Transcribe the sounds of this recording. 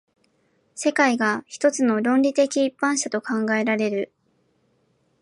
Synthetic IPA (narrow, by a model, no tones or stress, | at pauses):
se̞kaiɡaçi̥t̪o̞t͡sɨno̞ɾõ̞nɾʲit̪e̞kʲiːpːãɰ̃ɕat̪o̞kãŋɡae̞ɾaɾe̞ɾɯ̟